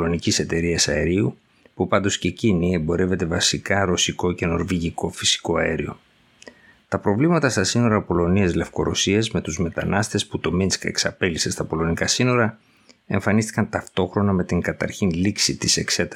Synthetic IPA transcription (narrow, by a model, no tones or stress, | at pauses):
lo̞nicise̞t̪e̞ɾiɐsɐeɾiu | pupɐnd̪o̞sce̞cinie̞mbo̞ɾe̞ve̞t̪e̞vɐsikɐɾo̞siko̞ce̞no̞ɾviʝiko̞fi̥si̥ko̞ɐeɾio̞̰ | t̪ɐpɾo̞vlimɐt̪ɐst̪ɐsino̞ɾɐpo̞lo̞niɐzle̞fko̞ɾo̞siɐzme̞t̪uzme̞t̪ɐnɐst̪e̞sput̪o̞minske̞̰ksɐpe̞lisest̪ɐpo̞lo̞nikɐsino̞ɾɐ | e̞̰ɱfɐnist̪i̥kɐnt̪ɐft̪o̞xɾo̞nɐme̞t̪iŋɡɐt̪ɐɾçinliksit̪ise̞kse̞t̪ɐ